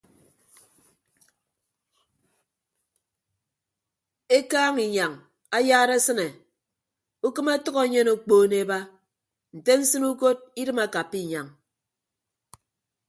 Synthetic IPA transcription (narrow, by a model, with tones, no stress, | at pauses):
e˦kaː˦ŋi˨ɲa˨ŋ | a˦jaː˦ɾe˦sɨ˦ne˨ | u˦kɨ˦ma˦tɔ˦ɣo˨˦ɲe˦no˨k͡poː˦˨ne˨ba˦ | n̩˨te˦n̩˦sɨ˦nu˦ko˦t̚i˦dɨ˦ma˨ka˨pːi˦˨ɲa˨ŋ